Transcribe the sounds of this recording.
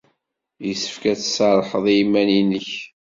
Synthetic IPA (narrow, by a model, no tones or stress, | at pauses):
jisə̥fkæt͡ssɑɾˤħəðˤijimːæninəç